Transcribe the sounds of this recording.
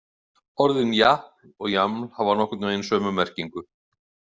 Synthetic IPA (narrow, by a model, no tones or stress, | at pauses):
ɔɾðɪnjahplɔɣjamlhavanɔhkʏt̪naejnsœːmʏmɛr̥ciŋkʏ